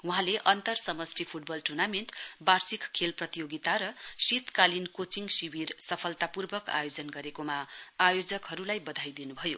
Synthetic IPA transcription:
wuɦãleʔʌnt̪ʌrsʌmʌsʈʰipʰuʈ̚bʌlʈurnamenʈbarsikkʰːelprʌt̪ijoɡit̪aɾʌsit̪kalinkot͡siŋɡsibirsʌpʰʌlt̪apurbʌka̰jod͡zʌnɡʌɾekomaːjod͡zʌkɦʌɾulajbʌd̪ʱajd̪inubʱʌjo

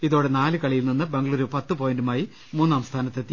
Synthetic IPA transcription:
iðo̞ːɽenaːlɨkɐɭijilninːɨbeŋɡɐɭuːɾupɐt̪ːɨpo̞ːjindumaːji | muːnːaːmst̪ʰaːnɐt̪ːet̪ːi

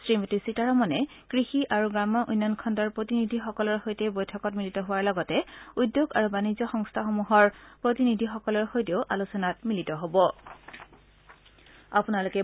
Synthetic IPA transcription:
sɹimotisitaɹɔmɔnɛ | kɹixiʔaɹuɡamɔʔunːankʰɔndɔɹpɹotinidʱixɔkɔlɔɹxojtɛbojtʰɔkɔtmilitɔɦʊwaɹlɔɡɔtɛudjoɡa̰ɹubanizɔxɔŋstʰaxomuɦɔɹpɹotinidʱixɔkɔlɔɹxojteʊʔalusɔnatmilitɔɦobɔ | apunalʊkɛ

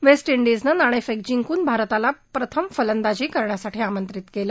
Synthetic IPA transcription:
ʋesʈiɳɖid͡znənaɽ̃efeɡ̚d͡ʑiŋɡkuːnbʱaɾt̪alapɾət̪ʰəmfələnd̪ad͡ʑiːkəɾɳjasaʈʰiːamənt̪ɾit̪keləː

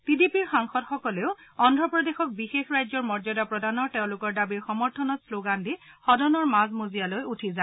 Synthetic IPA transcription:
tidipiɹxaŋxɔdxɔkɔleʊɔndɹɔpɹɔdexɔk̚bixexɹajzɔɹmɔɹzɔdapɹɔdanɔɹteʊ̃lʊkɔɹdabiɹxɔmɔɹtʰɔnɔtsloɡantixɔdɔnɔɹmazmozijalojutʰiza

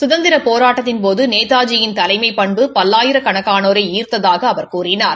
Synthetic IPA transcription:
sʊðɐnd̪ɪɾɐpoːɾaːʈːɐt̪̬ːɪnpoːðɯneːt̪aːd͡ʒɪjɪnt̪ɐlɐɪmɐɪpɐɳbɯpɐlːaːjɪɾɐkɐɳɐkːaːnoːɾɐɪiːrt̪ɐðaːɣɐːʋɐɾkuːrɪnaːɾ

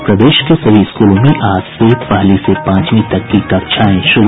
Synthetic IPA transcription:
pɾɐd̪eːʃkesɐbʱiɪskuːlõmẽʔaːd͡ʒsepaːlisepãːt͡ʃmĩt̪ɐkːikɐkt͡ʃʰaːẽʃʊɾ

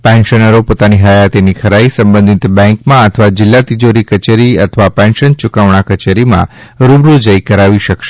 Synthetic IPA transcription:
pɛ̃nʃənəɾopot̪aniɦəjat̪enikʰəɾaisə̃mbə̃nd̪ʱit̪bɛ̃ŋkmãət̪ʰəʋad͡ʒɪlːat̪id͡ʒoɾikət͡ʃeɾiət̪ʰəʋapɛ̃nʃənt͡ʃʊkaʋɳ̃akət͡ʃeɾimã̰ɾubɾud͡ʒəjkəɾaʋiʃəkʃe

